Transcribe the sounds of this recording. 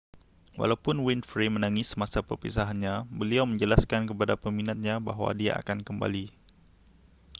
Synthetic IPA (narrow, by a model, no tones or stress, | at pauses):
wa̰lawpʊnwɪnfɾemə̃naŋɪsːəmãsapərpḭsaɦanɲãbəliawmə̃ɲd͡ʒəlaskankəpadapəminat̪̚ɲãbaɦwa̰dia̰ʔa̰kankəmba̰li